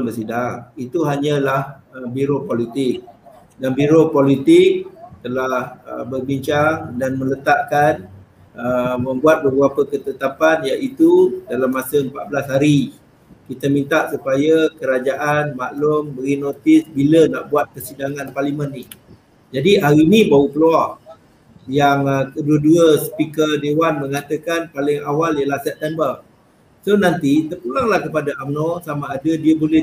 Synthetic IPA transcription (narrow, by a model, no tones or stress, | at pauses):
nbəs̬idaŋit̪uɦaɲalah | əbiɾopolit̪ɪk̚ | danbiɾopolit̪ɪk̚t̪əlahə̰bərbiɲt͡ʃaŋdanmə̃lət̪aʔkan | əmə̃mbuat̪̚bəbuapəkət̪ət̪apanjaʔit̪udalamːasəəmpaʔ̪̚bəlasɦaɾi | kit̪amĩnt̪aʔsupajakəɾad͡ʒaʔanmaʔlʊmbəɡinot̪ɪsbilənaʔbuat̪̚kəsidaŋanparlimənːi | d͡ʒadiʔaɣinibaukəluaʔ | jaŋk̪əduəduəsə̥pikərdewanmə̃ŋat̪əkanpalɪŋawaljəlahsɛp̚t̪ɛmbər | sonant̪it̪ərpulaŋlahkəpadaʔamnosamaːdədiəbolɛ